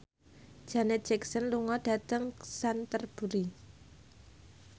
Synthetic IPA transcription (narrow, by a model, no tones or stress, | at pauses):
d͡ʒ̥anɛt̪̚d͡ʒɛksənluŋɔd̥a̤t̪əŋsant̪ərb̥ṳɾi